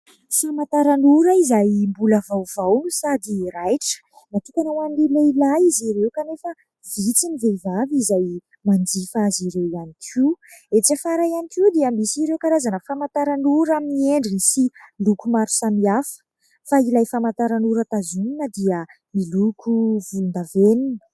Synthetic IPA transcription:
famat̪aɾanuɾəizajmbuləvawv̥awnusad̪iɾajʈ͡ʂə̥ | nat̪ukʲanawanileilajiziɾewkanefə | vit͡sinivevavizaj | mand͡zifaziɾewianikʰiwet͡safaɾajanikiwd̪iəmisiɾewkaɾazanəfamant̪aɾanuɾamieɳɖ͡ʐinisilukumaɾu̥samiafə̥ | failajfamant̪aɾanuɾət̪azuninəd̪iə | milukʰuvulnd̪aveninə̥

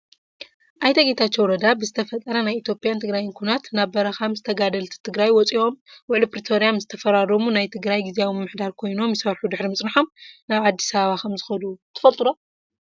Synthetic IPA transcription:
ʔajt̪ɐɡit̪ʰatt͡ʃːowɾɐd̪abɨzɨt̪ʰɐfɐt̪ʼːɐɾɐnajʔit̪ʰjo̞pʼjant̪ʰɨɡɾajnkʰunat̪naβbɐɾɐxamzɨt̪ʰɐɡad̪ɐlt̪ʰi̥t̪ʰɨɡɾajwɔt͡sʼio̞mwʊʕlipɾit̪ʰo̞ɾijamzɨt̪ʰɐfɐɾaɾɐmunajt̪ʰɨɡɾajɡiziawimɨmːɨħd̪aɾkʰo̞jno̞mjɪsɐɾħud̪ɨħɾimɨt͡sʼnɨħomnaβad̪ːi̥saβaβaxʰɐmzɨxɐd̪ut̪ʰɨ̥fɐlt̪ʼud̪a

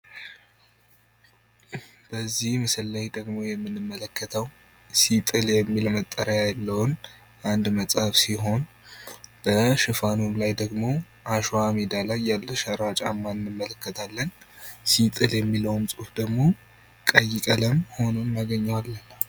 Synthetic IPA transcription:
b̥əzːihmɨsɨlːajd̪əɡmo̞jɛmːɨnːɨmːələkːət̪ʰəw | sit̪ʼɨljɛmːilmət̪ʼːəɾəjajlːəwn | ʔand̪məsʼafsiɦo̞n | b̥əʃɨfanumlajd̪əɡmo̞ | ʔaʃwamid̪alajːalːəʃəɾat͡ʃʼamːaɨnːɨmːələkːət̪ʰalːənsit̪ʼɨljɛmːiləwmsʼufd̪əɡmo̞ | kʼəjːɪkʼələmho̞nonnaɡəɲːawalːən

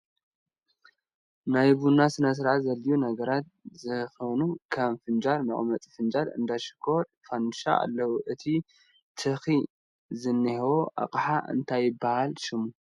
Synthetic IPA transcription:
najbunasɨnɐs̬ɨɾʕazɐlːijunɐɡɐɾat̪̚zɨxɐnukʰɐmfɨnd͡ʒaɾmɐχʼmɐt͡s̪ʼfɨnd͡ʒaɾɨ̰nd̪aʃɪ̥kʰoɾ | fanʃa̰a̰lːɐwuʔɨt̪ʰi | t̪ʰɨxi | zɨnːihewoʔa̰qʼħaʔɨ̰nt̪ʰajːɪbahalʃɪmu

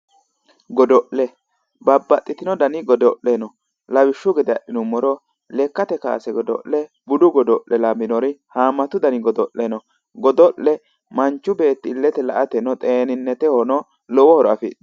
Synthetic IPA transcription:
ɡɔd̪ɔʔɛ | bɐbːɐt̪ʼːɪt̪ɪnɔd̪ɐnɪɡɔd̪ɔʔːɛnɔ | lɐwɪʃːʊɡɛd̪ɛɐɗɪnʊmːɔɾɔ | lɛkːɐt̪ɛka̰ːsɛɡɔd̪ɔ̰ʔːɛ | bʊd̪ʊɡɔd̪ɔʔːɛlɐbɪnɔɾɪhaːmːɐt̪ʊd̪ɐnɪɡɔd̪ɔʔːɛnɔ | ɡɔd̪ɔʔːɛ | mɐnt͡ʃːʊbe̞ːt̪ːɪɪlːɛt̪ɛlɐʔɐt̪ɛnɔt̪ʼeːnɪnːɛt̪ɛhɔnɔ | lɔwɔhɔɾɔɐfɪ̰

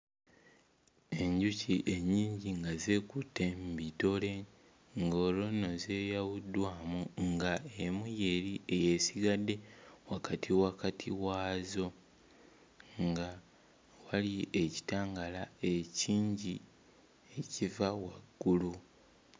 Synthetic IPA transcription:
e̞ɲɟuciʔe̞ɲːiːɲɟiŋɡazekutːe̞mbito̞le̞ | ŋɡo̞ːlo̞no̞ze̞ːjawudwaːmuŋɡaemujeɾiʔejesiɡadːe̞wakatʰiwakatʰiwaːzo̞ | ŋɡa | walie̞ci̥taːŋɡalae̞ciːɲɟi | ecivawaɡ̥ːulu

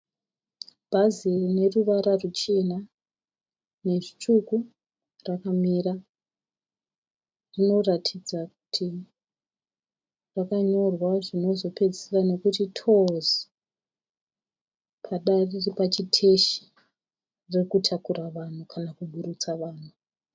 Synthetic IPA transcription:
bʱazirne̞ruʋaɾarut͡ʃe̞na | ne̞ʐit͡ʂuku | rakamiːɾa | rino̞ratʰid͡zaku̥tʰi | rakaɲo̞rwaʐino̞zo̞pe̞d͡zisirano̞kutitʰozi | pʰaɗariripat͡ʃitʰe̞ʃi̥ | rekutʰakuɾaʋan̤ukʰanakuɓʱuɾut͡saʋaːn̤u

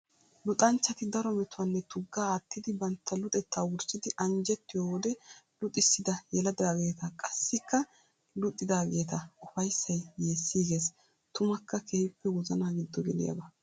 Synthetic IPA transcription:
lʊt̪ʼɐnt͡ʃːɐt̪ɪd̪ɐɾɔmɛt̪ʊwɐnːɛt̪ʊɡːaːt̪ːɪd̪ɪbɐnt̪ːɐlʊt̪ʼɛt̪ːaːwʊɾt͡ʃːɪd̪ɪʔɐnd͡ʒɛt̪ːɪjoːwɔd̪ɛlʊt̪ʼːɪsːɪd̪ɐjɛlɐd̪aːɡe̞ːt̪ɐkʼɐsːɪkːɐ | lʊt̪ʼːɪd̪aːɡe̞ːt̪ɐʔʊfɐjsːɐjːe̞ːsːiːɡeːs | t̪ʊmɐkːɐkʰeːhɪpːɛwɔzɐnaːɡɪd̪ːɔɡɛlɪ̰jɐ̰bɐ

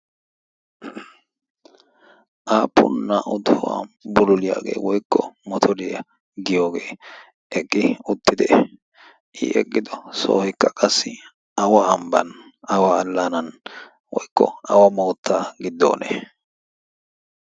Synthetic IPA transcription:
ʔaːpːʊ̰nːɐʔʊd̪ʊwa̰ːbʊlʊlɪja̰ːɡḛːwɔjkʰːɔmɔt̪ʰɔd̪ɛjɐ | ɡɪjo̞ːɡḛː | ʔɛkʼːɪʊt̪ːɪd̪ɛ | ʔɪ̰ʔɛ̰kʼːɪd̪ɔso̰ːhɪkːɐkʼɐsːɪ | ɐwaːmbɐ̰n | ɐwaːlːanɐn | wɔjkːɔ̰ɐ̰wɐmo̞ːt̪ːaːɡɪd̪ːo̰ːnɛ̰

